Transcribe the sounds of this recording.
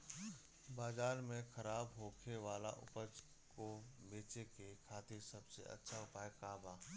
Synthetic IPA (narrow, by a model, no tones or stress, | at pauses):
baːzaːɾmẽxʰɐɾaːbɦoːkʰeʋaːlaʔʊ̰pəd͡ʒ | kobeːt͡ʃekekʰaːt̪esɐbsḛʔɐ̰tːʃʰaʊpaːjkaːbaː